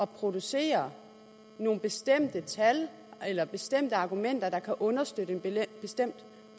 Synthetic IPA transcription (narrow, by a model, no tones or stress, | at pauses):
ʔɒ̽pʰʁo̝d̥use̝̰ːɐ | no̝ːn̩b̥e̝sd̥em̰d̥ət͡sʰæl | elɐb̥e̝sd̥em̰d̥əɑ̈ːɡ̥umen̰d̥ɐd̥ɑ̈kʰæʔɔ̽nɐsd̥ød̥əenb̥e̝sd̥em̰d̥